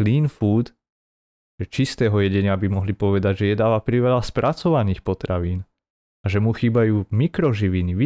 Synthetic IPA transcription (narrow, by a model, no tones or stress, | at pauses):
liːnfuːd̪ | ʒɛt͡ʃist̪ɛːɦɔjɛɟɛɲɪabimɔɦlipɔʋɛd̪aɟʒɛjɛd̪aːʋapɾiʋɛlaspɾʔat͡sɔʋaniːxpɔt̪ɾaʋiːn | aʒɛmuxiːbajuːmikɾɔʒiʋiniʋi